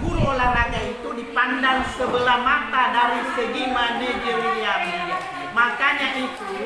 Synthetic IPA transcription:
bulolaraɡait̪udipandaŋsəbəlamat̪adaɾusəɡimanəd͡ʒəɾjam | makaɲaʔit̪u

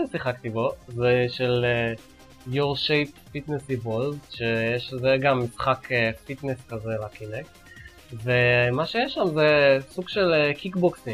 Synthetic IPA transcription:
esiχakt̪ibo̞zeʃele | joʁʃejpfit̪nesivolzʃejeʃzeɡamːisχakefit̪neskazelakinek | vemaʃejeʃːamzesuɡʃelkikboksi

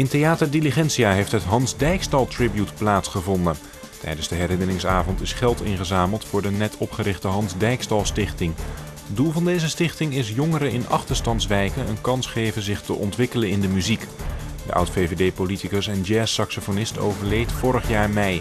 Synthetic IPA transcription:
ɪntejaːtəɹdiliχɛnsiaːɦejftɦətɦɑnzdɛjkstɑlˠtrɪbjutplaːtsχəvɔndən | tɛ̰jdənzdəɦɛɾɪnərɪŋsaːvɔntɪsχɛlˠtɪnχəzaːməlˠtfʊːɹdənɛtʰɔpχəɾɪχtəɦɑnzdɛjkstɑlˠstɪχtɪŋ | ɦədulˠvɑndejzəstɪχtɪŋɪs̬jɔŋəɾəɪnɑ̰χtəɹstɑntsʋɛjkənə̰nkɑnsχejvəzɪχtəʔɔ̰ntʋɪkələnɪndəmyzikdə̰ʔʌ̰wtfevedejpolitikəsɛnd͡ʒɛːsɑksofonɪsto̰wvəɹlejtfʊːɾəχjaːɹmɛj

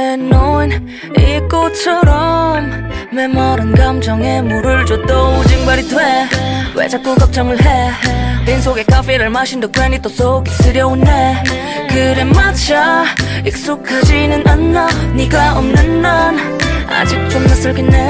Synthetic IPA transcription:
enːon | ik͈ot͡ɕʰʌɾʌmːemʌɾɯnɡamd͡ʑʌŋemoɾɯɭt͡ɕot͈od͡ʑiŋbaɾitʰwewḛd͡ʑak̚t͈ukʌk̚t͡ɕ͈ʌŋɯɭɦetens̬oɡekafeɾɯɭmaɕindokwenit͈os͈oɡis͈ɯɾjʌunde | kɯɾemːat͡ɕaik̚s͈okʰːad͡ʑinɯnʔanːaɲiɡaʌmnɯnːan | a̰d͡ʑik̚t͡ɕomnas͈ʌɭkinːe

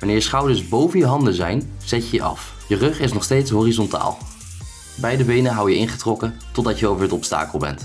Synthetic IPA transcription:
ʋanɪːɹsχɑwdəɹsbowvənjəɦɑndəzɛjnz̥ɛcəjəʔɑ̰f | jərɵχɪsnɔχstejtsɦoːrizɔnta̰ːlˠ | bɛjdəbejnəɦɑwjəɪnχətrɔkətɔdɑtjəowvəɹətɔpsta̰ːkəlˠbɛ̰nt

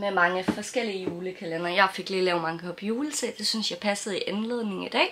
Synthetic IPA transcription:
memɑ̈ŋəfɒ̽sɡ̥el̰iəjuːləkʰælenɐjɑ̈ɪfe̝ɡ̥liːlɛːʊmɑ̈ŋəɒ̽pʰjuːləsḛd̥e̝synsjɑ̈ɪpʰæsəð̩ˠiʔænle̝ðˠne̝ŋid̥ɛ̰ː

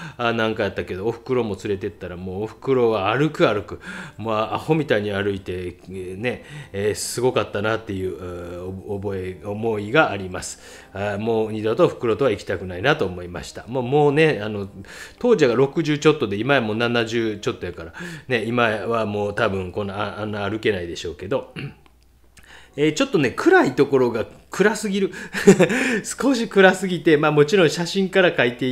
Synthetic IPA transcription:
anãŋkajat̪ːake̞d̪oːɸɯ̟̥kɯ̟ɾo̞mo̞t͡sɨɾe̞t̪e̞t̪ːaɾamoːɸɯ̟̥kɯ̟ɾo̞ɡaːɾɯ̟kɯaɾɯ̟kɯ̟moaaho̞mʲit̪aiɲ̟iaɾɯ̟it̪e̞ne̞ːsɨɡo̞kat̪ːanat̪ːe̞jɯ̟ː | oboeomo̞iɡaːɾʲimasɨ̥ | amoːɲ̟id̪ot̪oɸɯ̟̥kɯ̟ɾo̞t̪o̞βaikʲi̥t̪akɯ̟nainat̪o̞ːmo̞ima̰ɕi̥t̪amomo̞ːne̞ano̞t̪o̞ːʑaɡaɾo̞kɯ̟ʑɨːt͡ɕo̞t̪ːo̞d̪e̞imajamo̞ːnanaʑɨːt͡ɕo̞t̪ːo̞jakaɾane̞imaβamo̞ːt̪abɯ̟̃ŋkõ̞nːaaanːaːɾɯ̟ke̞naid̪e̞ɕo̞ːke̞d̪o̞ | eːt͡ɕo̞t̪ːo̞ne̞kʰɯ̟ɾait̪o̞ko̞ɾo̞ɡakɯ̟ɾasɨɡʲiɾɯ̟ | sɨ̥ko̞ɕikɯ̟ɾasɨɡʲit̪e̞maːmo̞t͡ɕiɾõɰ̃ɕaɕĩŋkaɾakait̪e̞

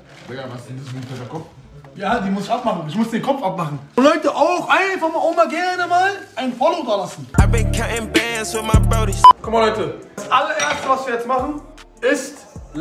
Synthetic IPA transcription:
laɡavasɛndəsipʰɛtɐkʰɔf | jaːdiːmʊsɪçapmaχn̩ɪçmʊsd̥eːnkʰɔpp͡ffapmaχn̩olɔʏtəʔaʊxʔaɪnfaχmaʊmɐɡɛɐnəmaːlʔaɪnfɔlodaːlasn̩abɪkʰaɛnbɛnsfɪmaɪbɛʊɾɪçkʰɔmɐlɔʏtə̥asʔalɐʔeːɐstəvasv̥iːjɛt͡smaχn̩ | ɪst

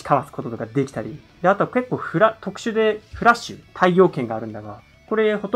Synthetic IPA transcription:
i̥kʰaβasɨ̥ko̞t̪o̞t̪o̞kad̪e̞kʲi̥t̪aɾʲi | d̪eat̪o̞ake̞kːo̞ːɸɯ̟ɾat̪o̞kɯ̟̥ɕɨd̪e̞ɸɯ̟ɾaɕɨ̰t̪ʰaijo̞ːkẽ̞ŋɡaːɾɯ̟̃nd̪aɡa | ko̞ɾe̞ho̞t̪

